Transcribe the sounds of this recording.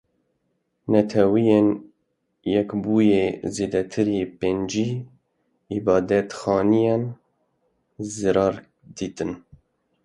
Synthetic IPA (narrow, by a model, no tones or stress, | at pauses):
nɛt̪ʰɛwijen | jɛkbuːjeːzeːd̪ɛt̪ʰɨɾepend͡ʒiː | ibɑːd̪ɛt̪xɑːnijɑn | zɨɾɑːɾ | d̪iːt̪ɨn